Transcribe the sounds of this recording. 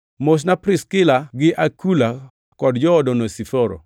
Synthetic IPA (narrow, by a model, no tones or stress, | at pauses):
mos̬napɾɪskɪlaɡɪʔakula | kɔdd͡ʒɔːdɔnosifoɾɔ̰